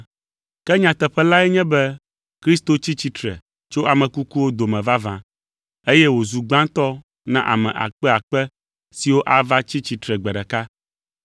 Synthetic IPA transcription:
kɛ˦ɲã˨t̪ɛ˨ɸɛ˦la˦ɛ˦ɲɛ̃˦bɛ˦ | kɾi˦st̪o˨t͡ɕi˦t͡ɕi˦t̪ɾɛ̰˨ | t͡ʃo˦ʔa˨mɛ̃˨ku˦ku˦wo˦d̪o˨mɛ̃˨va˦vã˨ | e˦jɛ˦wo˨zu˨ɡ͡bã˦t̪ɔ˦ | nã˦ʔa̰˨mɛ̰̃˨ʔa̰˨k͡pɛ˦a˨k͡pɛ˦ | si˨wo˦ʔa˦va˦t͡ɕi˦t͡ɕi˨t̪ɾɛ˨ɡ͡bɛ˨ɖɛ˨ka˦

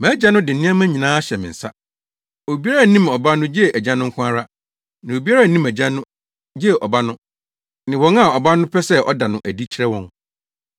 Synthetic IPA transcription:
mã˨˦d͡ʑa˦nʊ̃˦dɪ˨nɪ̃˦ã˦mã˦ɲĩ˨nãː˦a˦ɕɛ˨mɪ̰̃˨n̩˨sa˦ | o˨bi˦a˦ɾa˨nĩ˦mɔ˨ba˦nʊ̃˦d͡ʑi˦ɛ˦˨ʔæ˨d͡ʑã˦nːʊ̃˦ŋ̩˦kʰʷʊ̃˦a˦ɾa˦ | nɪ̃˨o˨bi˦a˦ɾa˦˨nĩ˦mæ˨d͡ʑã˦nʊ̃˦ | d͡ʑɛ˦˨ʔɔ˨ba˦nʊ̃˦ | nɪ̃˨wɔ̃˨˦ŋa˦˨ɔ˨ba˦nʊ̃˦pʰɛ˦sɛ˦ɔ̰˦da˨nʊ̃˨ʔæ˨di˦t͡ɕʰi˨ɾɛ˦wɔ̰̃˦ŋ

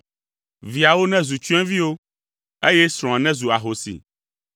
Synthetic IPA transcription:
vi˨a˨wo˦nɛ̃˦zu˨t͡ʃu˦ɛ̃˦vi˦wo˦ | e˦jɛ˦sɾ̃ɔ̃˨a˨nɛ̃˦zu˨a˨ɦo˨sḭ˨

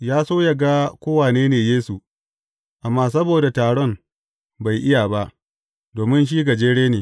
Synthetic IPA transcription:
jaː˦soː˦ja˨ɡa˦kʷoː˦waː˨neː˦neː˨jeː˦su˨ | ʔa˨mːaː˦s̬ɐ˦boː˨da˨taː˨ɽɔ˦m | ba˨jʔɪ˦jaː˨ba˦ʔ | doː˨mɪ˦nʃ̬iː˦ɡa˨d͡ʒeː˦ɽeː˦neː˨

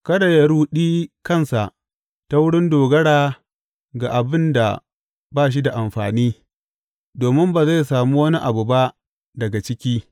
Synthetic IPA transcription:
kɐ˦da˨jɐ˨ɽuː˦ɗiː˦kɐ˦˨nsa˨ʔ | ta˦wʊ˦ɽɪ˦ndoː˨ɡɐ˦ɽaː˨ | ɡa˨ʔa˨bɪ˦nda̰˨ | baː˦˨ʃ̬i˦da˨ʔa˨mɸaː˨niː˦ | doː˨mɪ˦mbaː˨za˦˨jsaː˨muː˦wɐ˦ni˦ʔa˨bu˨ba˦ʔ | dɐ˨ɡa˨t͡ʃɪ˦kʲiː˦

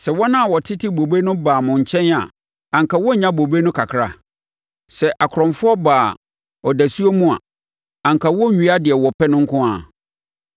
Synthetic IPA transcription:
sɛ˨wɔ˦nã˦˨wɔ˨tʰɪ˦tɪ˦bo˨be˦nʊ̃˦baː˨mʊ̃˨ɲ̩˨t͡ɕʰɛ̃˦na̰˨ | ã˨ŋ˨kʰa˨wɔ˦ɲã˦bo˨be˦nʊ̃˦kʰa˨kʰɾa̰˨ | sɛ˨ʔa˨kʰɾɔ̃˨ɱfʊ˦ɔ˦baː˨ | ɔ˨dæ˨su˦o˦mũ˦a̰˨ | ã˨ŋkʰa˨wɔ˦˨ɲᶣu˦a˦dɪ˨ɛ˨wɔ˨pʰɛ˦nʊ̃˦ŋ̩˦kʰʊ̃˦a̰˨

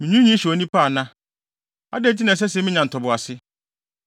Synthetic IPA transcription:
mɪ̃˨ɲũ˦ɲĩ˦ɕɔ˨nĩ˦pʰa˦˨nã˦ | a̰˦dɛ˦˨d͡ʑi˦nã˨s̬ɛ˦sɛ˦mɪ̃˦ɲã˨n̩˨tʰɔ˨bʊ˨a˨sɪ˦

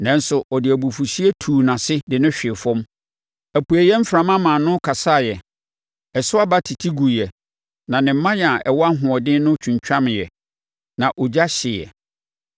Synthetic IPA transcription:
nã˦n̩˦sʊ˨ʔɔ˨dɪ˨æ˨bu˨fu˨si˦ɛ˦tʰuː˨nã˨sɪ˦dɪ˨nʊ̃˦ɕᶣɪ˨fɔ̃˦m | æ˨pu˨æ˨jɛ˦m̩˦fɾã˨mã˦mã˨nʊ̃˦kʰa˨sa˦˨jɛ˨ | ɛ˨sʊ˦a˦ba˦tʰi˨tʰi˦ɡu˨jɛ˨ | nã˨nɪ̃˨m̩˦mã˦ja˨ʔɛ˨wɔ˦a˦ɦʊ̃˨ɔ˨dɪ̃˦nʊ̃˦t͡ɕʰᶣũ˨ɲ˨t͡ɕᶣã˦m̃˨jɛ˨ | nã˨ʔɔ˨d͡ʑa˦ɕɪ˨jɛ̰˨

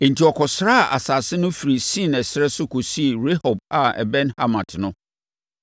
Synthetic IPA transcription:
e˨n̩˨tʰi˨ɔ˨kʰɔ˨sɾa˦a˨ʔa̰˨sa˨sɪ˦nʊ̃˦fi˨ɾi˨sĩ˦˨nɛ˨sɪ˦ɾɛ˦sʊ˦kʰɔ˨si˦˨ɾe˦hɔ˨b̚a˨ɛ̰˨bɛ̃˦nha˦mã˨tʰnʊ̃˦

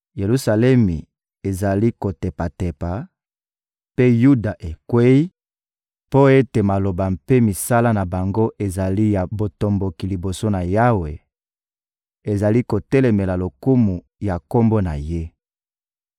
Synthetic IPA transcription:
je˨lu˦sa˨lɛ˦mi˨ | e˨za˨li˦ko˨te˨pa˨te˨pa˨ | pe˦ju˦da˨ʔe˨kwe˦i˦ | po˦e˦te˨ma˨lo˨ba˨mpe˦mi˨sa˦la˦na˨ba˨ŋɡo˦ʔe˨za˨li˦ja˨bo˨to˨mbo˨ki˨li˨bo˨so˦na˨ja˦we˨ | e˨za˨li˦ko˨tɛ˦lɛ˨me˨la˨lo˨ku˦mu˨ | ja˨ko˦mbo˦na̰˨je˦

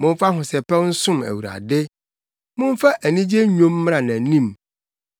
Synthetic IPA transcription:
mʊ̃˦m˦fa˦ɦʊ̃˨sɛ˨pɛ˦n̩˦sʊ̃˦mæ̰˨wu˨ɾa̰˨dɪ˦ | mʊ̃˦ɱ˦fa˦ʔæ˨nĩ˦d͡ʑe˦ɲᶣõ˦mː˦ɾã˨nã˨nĩ˦˨m

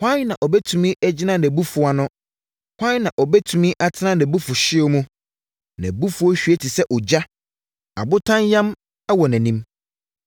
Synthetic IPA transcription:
hʷa˦nã˨ʔɔ˨bɛ˦tʰu˨mĩ˦ʔæ˦d͡ʑɪ˦nã˦nɛ̃˨bu˦fʊ˨a˨nʊ̃˦ | hʷã˦nã˨ʔɔ˨bɛ˦tʰũ˨mĩ˦ʔa˨tʰɪ˦nã˦nɛ̃˨bu˦fʊ˨ɕɪ˦ɔ˦mũ˦ | nɛ̰̃˨bu˦fu˦ɔ˦ɕᶣɥɛ˦tʰi˨sɛ˦ʔɔ˨d͡ʑa˦ | a̰˨bʊ˦tʰã˦njã˦m | ɛ˦wɔ˨næ̃˨nĩ˦m

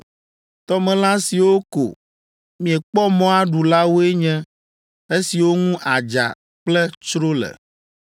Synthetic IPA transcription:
t̪ɔ˦mɛ̃˨lã˦si˨wo˦ko̰˨ | mĩ˨ɛ˨k͡pɔ˦mɔ̃˦a˦ɖu˨la˦wo˦e˦ɲɛ̃˦ | e˦si˨wo˦ŋũ˦ʔa˨d͡ʒa̰˨ | k͡plɛ˦t͡ʃɾo˦lɛ̰˨

